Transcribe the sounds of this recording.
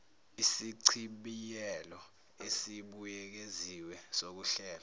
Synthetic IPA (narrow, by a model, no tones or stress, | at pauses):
isiǀʰiɓijɛlɔ | esiɓujɛk̬eziwɛsok̬uɬɛːlɔ